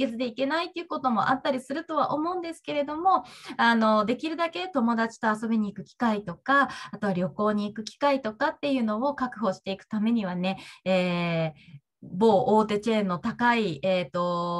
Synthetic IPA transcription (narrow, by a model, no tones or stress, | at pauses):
et͡sɨd̪e̞ike̞nait̪ːeɯ̟ko̞t̪o̞mo̞̰ʔat̪ːaɾʲisɨɾɯ̟t̪o̞βaʔo̞mo̞ɯ̟̃nd̪e̞sɨ̥ke̞ɾe̞d̪o̞mo̞ano̞d̪e̞kʲiɾɯ̟d̪ake̞t̪o̞mo̞d̪at͡ɕi̥t̪o̞aso̞biɲ̟iːkɯ̟kʲi̥kait̪o̞kaat̪o̞βaɾʲo̞ko̞ːɲ̟iːkɯ̟kʲi̥kait̪o̞kat̪ːe̞jɯ̟ːno̞okakɯ̟ɦo̞ːɕi̥t̪e̞ikɯ̟̥t̪ame̞ɲ̟iβane̞eː | boːʔoːt̪̬e̞t͡ɕe̞ːnːo̞t̪akaieːt̪o̞